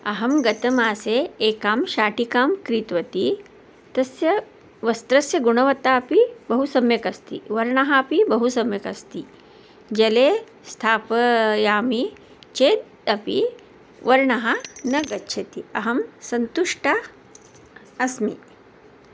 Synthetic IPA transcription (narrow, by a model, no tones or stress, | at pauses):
ɐɦɐmɡɐt̪ɐmaːseːkaːmʃaːʈikaːmkɾiːt̪ʋɐt̪i | t̪ɐsjɐ | ʋɐst̪ɾɐsjɐɡuɳɐʋɐt̪aːpibɐɦusɐmjɐkɐst̪ḭʋɐɾɳɐɦaːpibɐɦusɐmjɐkɐst̪i | d͡ʒɐleː | st̪ʰaːpɐjaːmi | t͡ʃeːd̪̚ | ɐpḭ | ʋɐɾɳɐɦɐnɐɡɐtːʃʰɐt̪iɐɦɐmsɐnt̪uʂʈa | ɐsmḭ